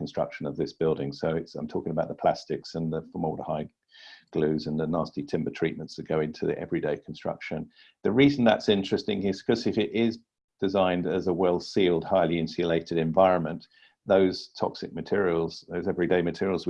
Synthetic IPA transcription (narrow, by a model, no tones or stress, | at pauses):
kʰə̃n̩stɹ̥ʌ̰kʃə̃nəvðɪsb̥ɪlˠdɪ̃ŋsoʊɪtsãɪ̃mtʰɔˑkɪ̃ŋəbaʊʔ̪ðəpʰl̥æstɪksə̃nðəfəmɔlˠɾəhaɪ | ɡ̥lʉzə̃nðənɑˑstitʰɪ̃mbətʰɹ̥iˑʔ̚mə̃ntstəɡ̥əʊɪ̃ntʰʉðḭʔɛ̰vɹideɪkʰə̃n̩stɹ̥ʌ̰kʃə̃n | ðəɹiːzə̃n̩ðə̰tsɪ̃nt͡ʃɹ̥ɨstɪ̃ŋɪz̥kʰʌzɪfɪɾɪz | d̥ɪzãɪ̃ndəzəwɛlˠsilˠd̥̚haɪliɪ̃nsiəleɪtɨɾɨ̃ɱvaɪɹə̃nmə̃nʔ | ðəʊz̥tʰɒ̰ksɪk̚mɨtʰɪɹiəl̩ˠz̥ðəʊzɛvɹideɪmɨtʰɪɹiəlˠz